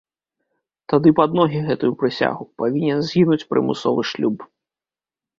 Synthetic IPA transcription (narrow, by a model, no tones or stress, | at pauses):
t̪ad̪ɨpad̪nɔɣʲiɣɛt̪ujupɾɨsʲa̰ɣupavʲinʲɛnzʲɣʲinut͡sʲpɾʔɨ̰mɨ̰sɔ̰vɨʂlʲup